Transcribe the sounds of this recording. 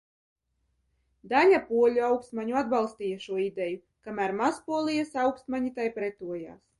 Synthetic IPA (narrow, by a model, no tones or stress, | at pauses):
d̪aʎʲapuɔlʲuawkst̪maɲuad̪̚balˠst̪iːjaʃuɔid̪ɛju | kamæːɾmaspuɔlˠijasawkst̪maɲit̪ajpɾɛt̪uɔja̰ːs